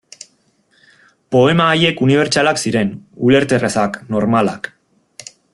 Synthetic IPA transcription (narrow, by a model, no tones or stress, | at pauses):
po̞e̞maːje̞kuniβ̞e̞ɾt͡ʃalaksiɾe̞nule̞ɾt̪e̞resakno̞ɾmalak